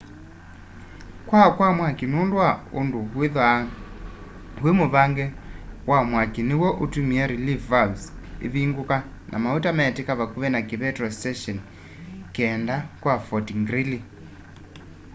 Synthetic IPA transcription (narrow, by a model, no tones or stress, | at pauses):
kwakwamwakinundwaunduwiðwa | ɦwimuβaŋɡɛwamwakiniwɔʔutumiaɾilifvabsḭðiŋɡuka | nʔa̰mautamaɛtikaβakuβɛnakiβɛtrɔstɛʃɔn | kɛndakwafɔtiŋɡɾili